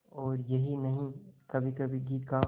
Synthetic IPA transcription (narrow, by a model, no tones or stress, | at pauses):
ɔːɾjɐɦinɐɦĩkɐbʱikɐbʱiɡiːt̪ka